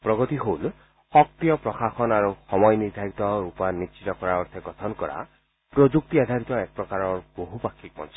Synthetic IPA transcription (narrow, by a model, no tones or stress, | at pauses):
pɾɔɡɔt̪iɦol | ɔk̚t̪ijɔpɾɔxaxɔnaɾuxɔmɔjniɾd̪ʱaɾit̪ɔɾupanit͡ʃit̪ɔkɔɾaɔɾt̪ʰeɡɔt̪ʰɔnkɔɾa̰ | pɾod͡ʒuk̚t̪iad̪ʱaɾit̪ɔek̚pɾɔkaɾɔɾb̥oɦupakʰːik̚mɔ̰nsɔ